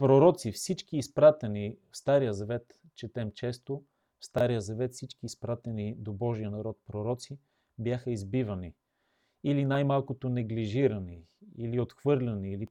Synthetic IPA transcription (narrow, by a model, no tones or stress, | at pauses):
pɾoɾɔt̪sifsit͡ʃkiːspɾat̪ɛnifst̪aɾijəzɐvɛt̪ | t͡ʃɛt̪ɛmt͡ʃɛst̪o | fst̪aɾijəzɐvɛt̪fsit͡ʃkiːspɾat̪ɛnid̪obɔʒijənɐɾɔt̪̚pɾoɾɔt̪si | bjaxəizbivɐni | ilinajmalˠkot̪onɛɡliʒiɾɐniiliot̪xvɤɾlʲɐniili